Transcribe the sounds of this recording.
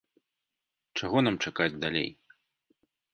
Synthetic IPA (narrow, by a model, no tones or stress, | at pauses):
t͡ʂaɣɔnamt͡ʂakad͡zʲd̪alʲḛj